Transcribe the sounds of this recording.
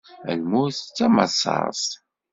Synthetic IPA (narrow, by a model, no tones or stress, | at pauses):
æ̰lmʊθt͡sːæmə̰sˤɑ̰ɾs